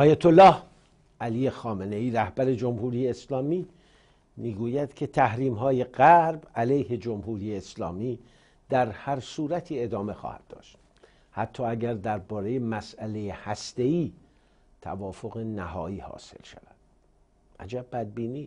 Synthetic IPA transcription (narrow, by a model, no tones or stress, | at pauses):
ʔɒːjæt̪ʰolːɒːh | ʔælije̞xɒːme̞neiːɾæhbæɾe̞d͡ʒomhuːɾije̞ːslɒːmiː | miːɡuːjæd̪̥kʰe̞t̪ʰæhɾiːmɦɒːje̞ɢæɾbælejhe̞d͡ʒomhuːɾiːje̞ːslɒ̰ːmiː | d̪̥æɾhæɾsuːɾæt̪ʰiːe̞d̪ɒːme̞xɒ̰ːhæ̰d̪̥̚ːɒ̰ːʃt̪ | hæ̰t̪ʰːɒːæɡæɾd̪æɾbɒːɾe̞jemæsælejehæst̪e̞iː | t̪ʰæ̰vɒːfo̞ɣe̞næhɒ̰ːiːhɒ̰ːse̞̰lʃæ̰væd̪̥ | ʔæ̰d͡ʒæb̚ːæd̪̚biːniː